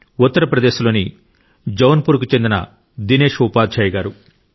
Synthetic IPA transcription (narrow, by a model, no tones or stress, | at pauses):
ut̪ːɐɾɐpɾɐd̪e̞ːʃulo̞ːni | d͡ʒɐʋɐnpuːɾk̬ut͡ʃe̞nd̪inɐ̰ | d̪ine̞ːʃupaːd̪̚t͡ʃɐːjɐɡaːɾu